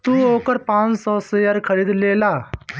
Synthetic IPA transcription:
t̪uːoːkəɾpãːt͡ʃsɔːsejaɾkʰəɾiːd̪leːlaː

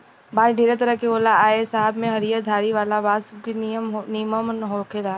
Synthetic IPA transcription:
baːd͡ʒɖʱeːɾet̪əɾəkeoːlaaːesaːɦəbmẽɦɐɾijad̪ʱaːɾiʋaːlabaːd̪sɐb̚kinnijməmənːɦokʰeːlaː

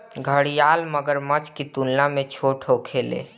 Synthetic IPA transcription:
ɡʱəɽijalməɡəɾmət͡ʃkit̪unlamet͡ʃʰoʈʰokʰelḛ

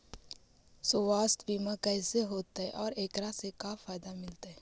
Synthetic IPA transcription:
soːʋaːst̪biːmakɛːseɦoːt̪aɦɛʔɔːɾeːkɾasekafaːɪd̪amɪlt̪aɦɛː

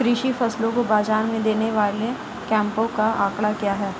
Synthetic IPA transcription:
kɾiʃifɐslõkobaːd͡ʒaːɾmẽd̪eːneʋaːle | kɛ̃ːmpõkaʔaːkɽakjaːɦɛː

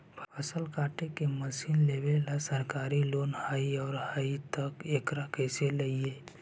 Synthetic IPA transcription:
pʰpʰəsəlkaːʈekeməsiːnleʋelasəɾkaːɾiloːnhaːiɔːɾhait̪əkeːkɾakɛːseləieː

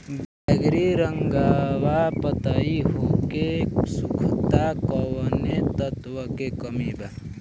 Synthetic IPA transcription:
baɡɾiɾəŋɡawapət̪aiɦokesukʰt̪akəwənet̪ət̪wəkekəmiba

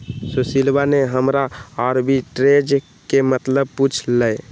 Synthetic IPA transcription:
susilbaneɦəmɾaaɾbiʈɾed͡ʒ | kemət̪ləb̚put͡ʃʰləe

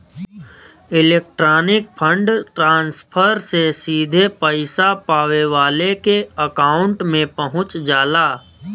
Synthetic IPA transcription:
ɪleːk̚ʈɾaːnɪk̚pʰə̃ɳɖʈɾãːnspʰəɾsesiːd̪ʱepəɪsapaːʋeʋaːlekeəkaːʊ̃ɳʈmẽpəɦʊ̃t͡ʃd͡ʒaːlaː

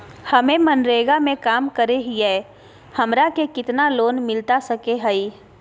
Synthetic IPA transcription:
hɐmẽmɐnɾeːɡamẽkaːmkəɾeɦiɛː | hɐmɾakekɪt̪naloːnmɪlt̪asɐkeɦəi

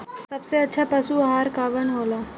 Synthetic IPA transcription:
sɐbseɐtːʃʰapɐsuɐɦaːɾkaːʋənɦoːlaː

